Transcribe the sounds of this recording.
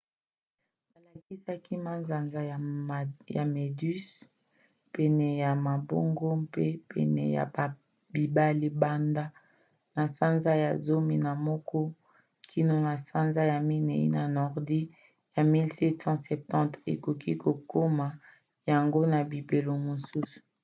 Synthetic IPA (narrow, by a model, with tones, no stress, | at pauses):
ba˨la˨ki˦sa˦ki˦ma˦nza˨nza˦˨ja̰˨me˨dy˦s | pɛ˨nɛ˨ja˨ma˨bo̰˦ŋɡo˦pe˦pɛ̰˨nɛ̰˨ja̰˨ | bi˨ba˦li˦ba˦nda˦ | na˨sa˦nza˦ja̰˨zo˦mi˦na˨mɔ˦kɔ˦ | kʰi˦no˦na˨sa˦nza˦ja˨mi˦ne˨ḭ˦na˨nɔ˨ʁdi˦ | ja˨mi˦lsɛ˦tsɑ̃˦sɛ˨p̚tɑ̃˦tḛ˨ko˨ki˦ko˨ko˦ma˨ | ja˨ŋɡo˦na˨bi˨be˨lo˨mo˨su˦su̥˨